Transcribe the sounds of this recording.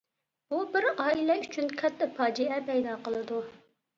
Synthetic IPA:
bubɪɾɑːilɛyt͡ʃʰynkʲʰɛt̪ʰːɛpɑːd͡ʒiɛpʰɛjd̪ɑːqəlˠɨd̪u

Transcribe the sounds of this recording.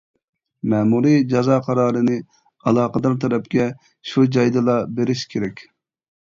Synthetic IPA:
mɛːmuɾid͡ʒɑzɑːqʰɑɾɑːɾɨnɨ | ɑlˠɑːqəd̪ɑɾt̪ʰɛɾɛpkʲɛ | ʃud͡ʒɑjd̪ɨlˠɑbeɾɪʃkʲʰeɾɛkʲ

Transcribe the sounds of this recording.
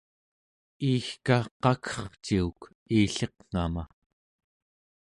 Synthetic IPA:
iːxkaqɑkʰʌ̥χt͡ʃiuk | iːɬeqŋ̥a̰ma̰

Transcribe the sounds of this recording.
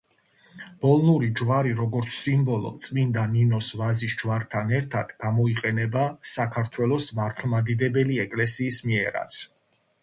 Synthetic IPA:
b̥ɔlˠnuɾid͡ʒvaɾiɾɔɡɔɾt̪sʰsimbɔlˠɔ̰t̪sʼmind̪aninɔsvazisd͡ʒvaɾt̪ʰanɛɾt̪ʰad̪̥ɡ̥amɔiqʼɛnɛbasakʰaɾt̪ʰwɛlˠɔsmaɾt̪ʰlˠmad̪id̪ɛbɛliɛkʼlɛsiːsmiɛɾa̰t̪sʰ

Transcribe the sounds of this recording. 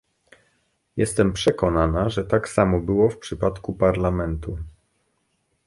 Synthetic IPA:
jɛst̪ɛmpʂɛkɔnanaʐɛt̪aksamɔbɘwɔfpʂɘpat̪kupaɾlamɛnt̪u

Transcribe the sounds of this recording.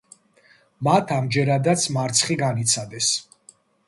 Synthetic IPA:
mat̪ʰamd͡ʒɛɾad̪at̪sʰmaɾt̪sʰχiɡanit̪sʰad̪ɛs

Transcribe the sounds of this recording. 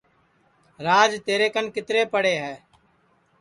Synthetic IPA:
ɾaːd͡ʒt̪eːɾeːkənkɪt̪ɾeːpəɽeːɦɛː

